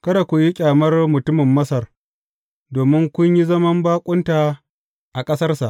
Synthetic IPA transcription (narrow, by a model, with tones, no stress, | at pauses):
kɐ˦ɽa˨kʷʊ˨ji˦kʲʼaː˨mɐ˦rmʊ˨tʊ˦mɪ˨mːɐ˦sɐ˨r | doː˨mɪ˦ŋkʷʊ˦ɲji˦zɐ˦mɐ˦mbaː˦kʷʼʊ˦nta˨ | ʔa˨kʼɐ˦sɐ˦rsa˨ʔ